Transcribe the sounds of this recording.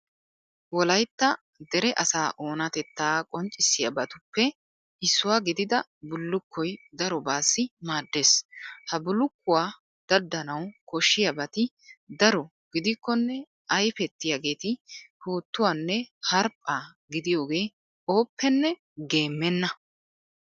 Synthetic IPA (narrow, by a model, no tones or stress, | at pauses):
wɔlɐjt̪ːɐ | d̪ɛɾɛʔɐsaːʔo̞ːnɐt̪ɛt̪ːaːkʼɔnt͡ʃʼːɪsːɪjɐ̰bɐt̪ʊpːɛ | ʔɪsːʊwaːɡɪd̪ɪd̪ɐ | bʊlːʊkːɔjd̪ɐɾɔbaːsːɪmaːd̪ːe̞ːshɐbʊlːʊkːʊwaː | d̪̥ɐd̪ːɐnɐwkɔʃːɪjɐbɐt̪ɪ | d̪ɐɾɔ | ɡ̥ɪd̪ɪkːɔnːɛ | ɐjfɛt̪ːɪjaːɡe̞ːt̪ɪhuːt̪ːʊwaːnːɛhɐɾpʼːaː | ɡɪd̪ɪjo̞ːɡe̞ː | o̞ːpːɛnːɛ | ɡe̞ːmːɛnːɐ